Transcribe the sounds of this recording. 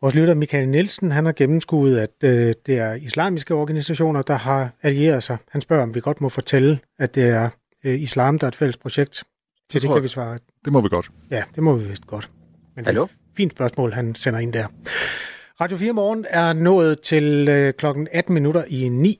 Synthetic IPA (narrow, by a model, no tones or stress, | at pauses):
ʋɒːslyɾɐmikʰælnilsn̩ɦænhɑ̈ɡ̥emm̩sɡ̥ṵːð̞̩ˠæd̥ød̥e̝æɐislɑ̰̈ːmisɡ̥əɒːɡ̥ænisæɕo̝̰ːnɐd̥ɑ̈ɦɑ̈ælie̝̰ːɐð̞̩ˠsɑ̈ɪhænsb̥ɶɐɒ̽mʋiɡ̥ɒ̽d̥mɒ̽fɒ̽t͡sʰelə | æ̥d̥e̝æɐ | islɑ̰̈ːmd̥ɑ̈æɐed̥fel̰spʰʁoɕeɡ̥̚d̥ | t͡sʰed̥ekʰæʋisʋɑ̈ː | d̥emɒʋiɡ̥ɒd̥ | jæd̥e̝mɒʋiʋesd̥əɡ̥ɒ̽d̥ | mende | fḭːnd̥sb̥ɶɐsmɔ̰ːlɦænsenɐe̝n̰d̥æɐ | ʁɑ̈ːdjo̝fiːɐmɒːn̩æɐnɔ̰̽ːð̩ˠt͡sʰe̝lkʰlɒ̽ɡ̥n̩æd̥n̩minuɾɐʔinḭː